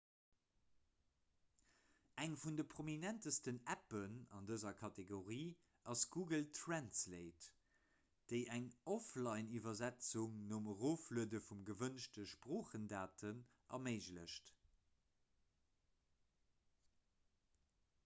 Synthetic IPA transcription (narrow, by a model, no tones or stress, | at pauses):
ʔæŋfundəpʰʁ̥ominæntəstənæpənɑ̰ndəzɐkʰɑtʰeɡoʁiː | ɑsɡ̥uːɡəltʰʁænsleɪt | d̥əɪʔæŋɔflɑɪnivɐzæt͡suŋnoːməʁoːfluədəfumɡəvənʃtəʃpʁoːχəndaːtʰən | ʔɐ̰meɪʒləʃt